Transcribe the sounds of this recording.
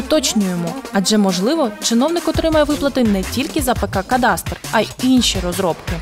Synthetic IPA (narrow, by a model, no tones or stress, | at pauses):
ɔt̪ɔt͡ʃnʲʊjemɔɐd͡ʒɛmɔʒlˠɪʋɔt͡ʃɪn̪ɔwnɪkɔt̪ɾɪmɐjɛʋɪplˠɐt̪ɪnɛtʲilʲkɪzɐpekakɐd̪ɑst̪rɐjinʲʃiɾɔzɾɔpkɪ